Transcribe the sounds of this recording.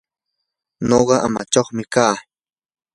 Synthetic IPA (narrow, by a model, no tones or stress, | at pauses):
noɢɑʔa̰ma̰t͡ʃaχmɪkaː